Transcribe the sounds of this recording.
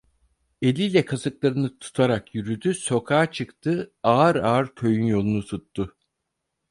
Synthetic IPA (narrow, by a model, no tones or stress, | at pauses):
e̞lʲijlʲɛkʰasɯklˠaɾɯnɯt̪ʰu̥t̪ʰaɾakjyɾyd̪yso̞kʰaːt͡ʃʰɯkt̪ʰɯaːɾaːɾkʰø̞jynjo̞lˠunut̪ʰut̪ːʊ